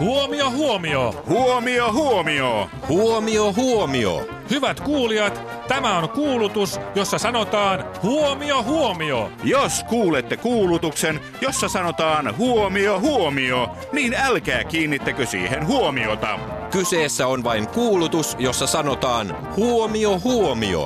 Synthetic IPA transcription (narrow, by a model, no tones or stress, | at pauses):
huomiohuomio̰huomiohuomio | huomioɦuomio̰ | hyʋæt̪kuːliɑt̪ | t̪æmæonkuːlut̪usjosːɑsɑnot̪ɑːn | huomiohuomio̰joskuːlet̪ːekuːlut̪uksen | josːɑsɑnot̪ɑːnhuomiohuomio | niːnælkæːkiːnːit̪ːækøsḭːhenɦuomiot̪ɑ̰ | kyseːsːæonʋɑiŋkuːlut̪usjosːɑsɑnot̪ɑːn | huomiohuomḭo̰